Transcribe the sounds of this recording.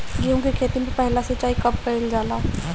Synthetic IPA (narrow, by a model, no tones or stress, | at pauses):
ɡiõkikʰeːt̪imẽpɛɦlasɐt͡ʃaːikɐpːəɪld͡ʒaːlãː